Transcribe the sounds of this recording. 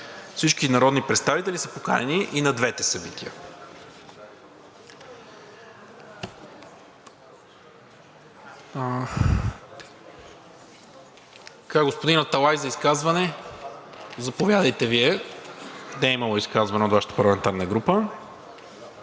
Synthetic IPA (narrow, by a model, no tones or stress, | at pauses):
fsit͡ʃkinɐɾɔd̪nipɾɛt̪st̪avit̪ɛlʲisəpokanɛniʔinɐd̪vɛt̪ɛsɐbit̪ʰiə | kaɡospod̪inɐt̪ɐlˠajzɐiskazvɐnɛ | zɐpovjad̪əjt̪ɛviɛ | nɛːimɐlˠoiskazvɐnɛot̪vaʃə̥t̪əpɐɾlˠɐmɛnt̪aɾnəɡɾupə